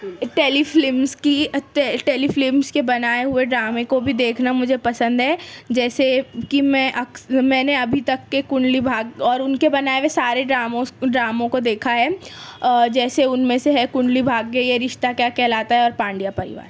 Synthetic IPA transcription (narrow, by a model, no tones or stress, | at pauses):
ʈeːliflɪmskit̪ɛʈeːliflɪmskebɐnaːeɦʊeɖɾaːmẽkobʱid̪eːkʰnamʊd͡ʒʱepɐsə̃nd̪ɦɛːd͡ʒɛːsekimɛ̃ʔɐkmɛ̃ːneɐbʱit̪ɐkːekʊ̃ɳɖlibʱaːɡɔːɾʊnkebɐnaːeʋesaːɾeɖɾaːmõɖɾaːmõkod̪eːkʰaɦɛ | d͡ʒɛːseʊnmẽseɦɛkʊ̃ɳɖlibʱaːɡɡeieɾɪʃt̪akjaːkɛɦlaːt̪aɦɛɔːɾpãːɳɖijapɐɾɪ̰ʋa̰ːɾ